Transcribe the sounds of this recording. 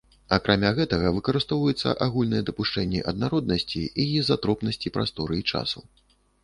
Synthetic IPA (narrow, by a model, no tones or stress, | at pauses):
akɾʔamʲaɣɛt̪ɐɣɐvɨkɐɾɨst̪ɔvɐjɛt̪sːɐ̰ʔaɣulʲnɨjɛd̪ɐpuʂt͡ʂɛnʲːɛʔɐd̪̚naɾɔd̪nɐsʲt͡sʲiijizat̪ɾɔpnɐsʲt͡sʲipɾa̰st̪ɔɾɨit͡ʂa̰su